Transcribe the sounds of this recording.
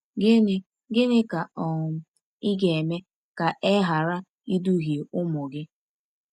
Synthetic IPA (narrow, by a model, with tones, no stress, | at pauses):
ɡɪ˦nɪ˦ | ɡɪ˦nɪ˦ka˨ɔ˨ŋ˨m̩˦ | i˦ɡe˨e˨me˦ | ka˨ʔe˦ɦa˨ɾa˦ | i˦du˦ɦje˨ʊ˦mɔ˨ɡɪ˦